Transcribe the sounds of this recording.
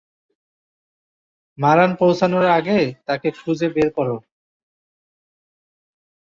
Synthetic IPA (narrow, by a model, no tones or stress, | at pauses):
maɾanpowsanoɾaɡet̪akekʰud͡ʑebeɾkɔɾo